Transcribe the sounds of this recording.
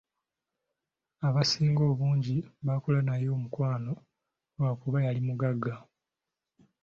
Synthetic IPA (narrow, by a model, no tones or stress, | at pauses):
aβasiːŋɡo̞ːβuːɲɟiβakulanajo̞ːmukwaːno̞ | wakuβajalimuɡaɡːa